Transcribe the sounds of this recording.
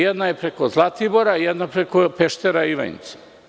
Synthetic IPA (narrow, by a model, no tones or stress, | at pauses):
jed̪najepɾekozlˠat̪iboɾaijed̪napɾekopeʃt̪eɾaiʋa̰ɲḭt̪se̥